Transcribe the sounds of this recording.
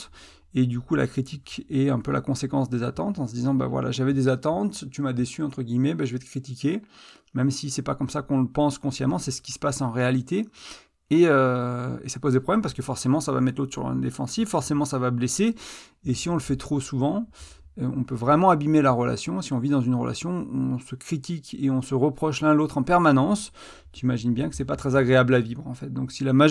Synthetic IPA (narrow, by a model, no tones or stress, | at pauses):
ed̪ykula̰kχit̪ʰikʲɛɛ̃pølʔa̰kɔ̃sekɑ̃sd̪ezat̪ɑ̃t̪ɑ̃səd̪izɑ̃ba̰vwa̰la̰ʒavɛd̪ezat̪ɑ̃t̪ːymad̪esyɑ̃t̪χəɡʲijmɛbaʒəvɛt̪əkχit̪ikʲe | mɛmsisɛpakɔmsakɔ̃ləpɑ̃skɔ̃sja̰mɑ̃sɛsə̥kʲi̥sə̥pasɑ̃ʁealit̪e | eøḛsapozd̪epχɔblɛmpaʁsə̥kəfɔʁsemɑ̃sava̰mɛt̪lot̪χsyʁlɔ̰̃nd̪ḛfɑ̰̃sivfɔʁsemɑ̃savableseː | siɔ̃ləfɛt̪χosuvɑ̃ | øɔ̃pøvʁɛmɑ̃abimelaʁəla̰sjɔ̃siɔ̃vid̪ɑ̃zynʁə̰la̰sjɔ̃ɔ̃səkχit̪ikeɔ̃səʁəpχɔʃlɛ̃lot̪χɑ̃pɛʁmanɑ̃s | t̪yimaʒinbjɛ̃kə̥sɛpat̪χɛzaɡʁeablavivʁɑ̃fɛt̪̚d̪ɔ̃ksilama